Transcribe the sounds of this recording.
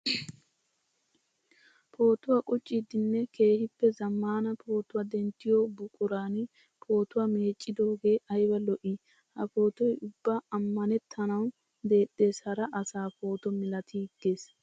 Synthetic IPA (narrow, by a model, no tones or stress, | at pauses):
pʰo̞ːt̪ʊwakʼʊt͡ʃʼːɪd̪ɪnːɛke̞ːhɪpːɛzɐmːaːnɐpʰo̞ːt̪ʊwad̪ɛnt̪ːɪjoːbʊkʼʊɾaːnɪ | pʰo̞ːt̪ʊwɐme̞ːt͡ʃʼːɪd̪o̞ːɡe̞ːʔɐjbɐlɔʔi | hɐpo̞ːt̪ɔjʊbːaɐmːɐnɛt̪ʰːɐnɐw | d̪e̞ːɗːe̞ːshɐɾɐʔɐsaːpo̞ːt̪ɔmɪlɐt̪ɪɡːe̞ːs